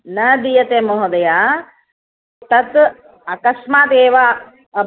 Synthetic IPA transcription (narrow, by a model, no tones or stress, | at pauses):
nɐd̪ijɐt̪eːmoɦɐd̪ɐjaː | t̪ɐt̪ | ɐkɐsmaːt̪eːʋa | ɐ